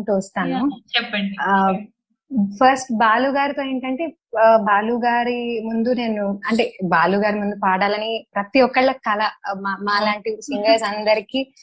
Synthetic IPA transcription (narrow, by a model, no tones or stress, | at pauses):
ʈuːst̪aːnut͡ʃɛpːɐɳɖi | pʰɐɾsʈbaːluːɡaːɾit̪oːiɳʈɐɳʈe̞ː | baːluːɡaːɾimund̪une̞ːnuɐɳʈe̞ːbaːluːɡaːɾimund̪upaːɽaːlɐnipɾɐt̪iɔkːɐɭːɐkɐlɐmamaːlaːɳʈisiŋɡɐlsɐnd̪ɐɾiki